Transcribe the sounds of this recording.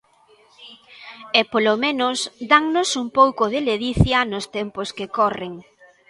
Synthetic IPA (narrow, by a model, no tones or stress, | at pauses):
epolomẽnʊsd̪aŋnʊsumpowkoðɪleðiθjɐnoʊst̪ɛmposkekɔreŋ